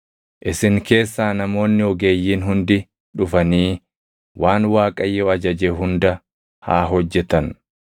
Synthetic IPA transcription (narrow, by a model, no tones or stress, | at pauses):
ʔɪsɪŋke̞ːsːaːnɐmo̞ːnːɪɔɡe̞ːjːiːnɦʊnd̪ɪ | ᶑʊfɐniː | waːnwaːkʼɐjːɔɐd͡ʒɐd͡ʒeɦʊnd̪ɐ | ha̰ːɦɔd͡ʒːɛt̪ɐn